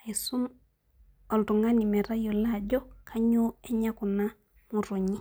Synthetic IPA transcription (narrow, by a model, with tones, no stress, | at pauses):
e˨su˦m | ɔ˨ltu˨ŋa˦ni˨mɛ˨ɾa˦jo˨la˦˨d͡ʒɔ˦kʰa˦ɲu˦ɛ˦ɲa˦ku˨na˦ | mu˨ɾo˨ɲi˦